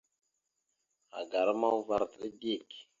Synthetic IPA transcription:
a̰˨ɡa˨ɾma˦wu˦va˦˨ɾti˦ɡi˦˨k

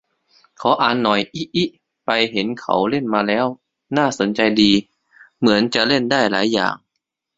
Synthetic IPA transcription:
kʰɔː˨˦ʔaː˨˩nːɔ˨˩jʔi˦˥ʔi˦˥ʔ | pa˧jɦe˩˦nkʰa̰˨˩˦wle˥˩nmaː˧lɛː˦˥w | naː˥˩so˩˦nt͡ɕa˧jdiː˧ | mɯ˩˦ənt͡ɕa˨˩ʔle˥˩ndaː˥˩jlaː˩˦jːa̰ː˨˩ŋ

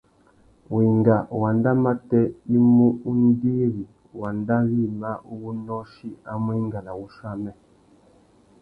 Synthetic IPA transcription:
wi˨ŋɡa˨wa˨nda˦ma˦tɛ˦i˦mu˦u˦n˦di˦ɾi˨ | wa˨nda˦ɣi˦˨ma˦u˦wu˦nɔ˦ʃi˦a˦m˦i˦ŋɡa˨la˨wu˦ʃa˦mɛ˦

